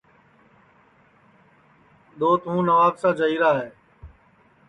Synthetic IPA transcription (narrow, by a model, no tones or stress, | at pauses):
ɗ̪oːt̪ɦũːnəʋaːbsãːd͡ʒəɦiːɾaːɦeː